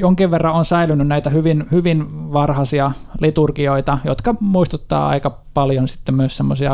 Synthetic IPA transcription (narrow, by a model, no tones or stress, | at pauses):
joŋkiʋʋerːɑonsæilynːynnæit̪æhyʋinhyʋinʋɑrhɑsiɑlit̪urkioit̪ɑjo̰t̪kɑmuist̪ut̪ːɑ̰ːɑ̰ikɑ | pɑljonsi̥t̪ːemmyøˑssemːosiɑ